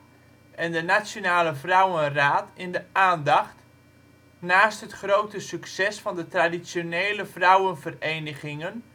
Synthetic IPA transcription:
ɛndənasjonaːləvrʌwənraːtɪndəaːndɑχt | naːstɦətχrowtəsyksɛsfɑndətradisjoneːləvrʌwənvərejnəχɪŋən

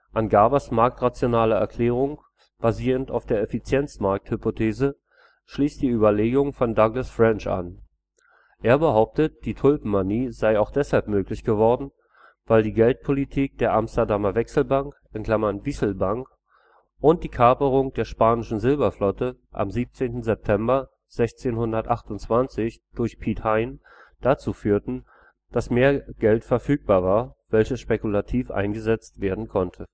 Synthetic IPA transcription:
ʔanɡaːbɐsmaɐk̚tʁat͡sjonaːlɐɛ̰ɐkʰl̥ɛːʁ̞ʊŋ | b̥aziːʁəntaʊfd̥eːɐɛfit͡sjɛnt͡smaɐk̚thʏpotʰeːzə | ʃliːstd̥iːyːbɐleːɡʊŋfɔndaɡlasfʁ̥ɛnt͡ʃa̰n | ʔeːɐbəɦaʊp̚tət̚d̥iːtʰʊlpm̩ːaniːzaɪaʊxd̥ɛshalpmøːklɪçɡ̥əvɔɐdn̩ | vaɪldiːɡɛlt̚pʰolitʰiːk̚d̥eːɐʔamstɐdamɐvɛksl̩baŋkʔɪnkl̥amɐnvisl̩baŋk | ʔʊnt̚d̥iːkʰapəʁʊŋd̥eːɐʃpaːnɪʃn̩zɪlbɐflɔtəʔa̰mziːp̚t͡seːntn̩zɛp̚tʰɛmbɐ | z̥ɛçt͡seːnhʊndɐtʔaχtʊntt͡sv̥ant͡sɪçd̥ʊɐçpʰiːthaɪn | d̥at͡suːfyːɐtn̩ | d̥asmeːɐɡ̥ɛltfɛɐfyːk̚b̥aːɐvaːɐvɛlçəsʃpekulatʰiːfʔa̰ɪnɡəzɛt͡stv̥eːɐdn̩kʰɔntʰə

